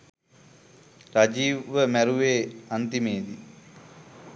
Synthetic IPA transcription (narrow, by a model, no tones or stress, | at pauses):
ɾad͡ʒiːʋəmæɾuʋeːant̪imeːd̪i